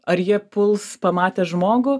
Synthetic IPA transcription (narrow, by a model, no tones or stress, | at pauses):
ɐɾjiɛpʊlˠspɐmɑːt̪ʲeːʒmoːɡʊ